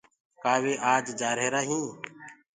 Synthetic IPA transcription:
kaːʋeːʔaːd͡ʒd͡ʒaːɾeːɾaːɦĩː

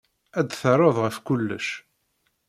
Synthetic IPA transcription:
æd̪θəɾˤɑðˤʁəfkʊlːə̰ʃ

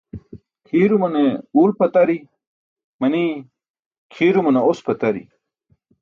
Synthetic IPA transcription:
kʰiːɾumɐneuːlpɐt̪ɐɾi | mɐni | kʰiːɾumɐneospɐt̪ɐɾḭ

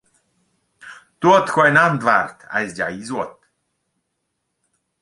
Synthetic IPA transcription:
t̪uɔt̪xɔɛnand̪vaɾt̪a̰zd͡ʑa̰izwɔt̪

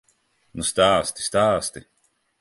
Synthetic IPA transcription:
nust̪aːst̪i̥st̪aːst̪i

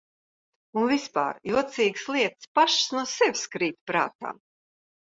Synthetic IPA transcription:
unvispa̰ːɾjuɔt̪siːɡsliɛt̪spaʃsnuɔsɛvʲskɾiːt̪ʲpɾa̰ːt̪a̰ː

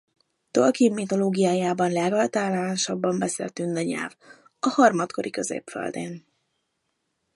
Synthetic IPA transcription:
t̪olkimːit̪o̞loːɡijaːjaːbɒnlɛɡɒlt̪aːlːaaːnʃɒbːɒmbɛsḛːlt̪ynd̪ɛɲɛ̰lv | ɒhɒrmɒt̪kʰoɾʔikø̞zḛːpfø̰ld̪ḛːn

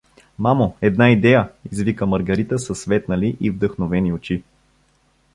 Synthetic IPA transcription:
mamoɛd̪naid̪ɛjəizvikəməɾɡɐɾit̪əsəsvɛt̪nəliʔivd̪əxnovɛniot͡ʃi

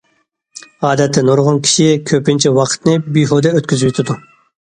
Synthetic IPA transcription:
ɑːd̪ɛt̪ʰːɛnoɾʁʊnkʲʰi̥ʃikʲʰøpɪnt͡ʃʰɛwɑqʰə̥t̪nɨbijɦod̪ɛøt̪̚kʲyzyyt̪ʰɪd̪u

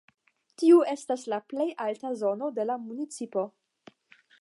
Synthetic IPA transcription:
tiue̞staslaple̞jaltazo̞no̞de̞lamunit͡sipo̞

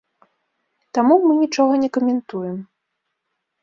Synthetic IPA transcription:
t̪amumɨnʲit͡ʂɔɣɐnʲɛkɐmʲɛnt̪ujɛm

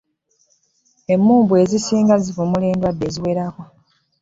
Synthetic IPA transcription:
e̞mːuːmbwe̞ːzisiːŋɡazivumule̞ːndwadːe̞ːziwe̞ːɾako̞

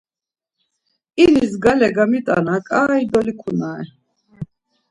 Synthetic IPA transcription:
inisɡalɛɡamit̪ʼa̰nakʼaːid̪ɔlikʰunaɛ

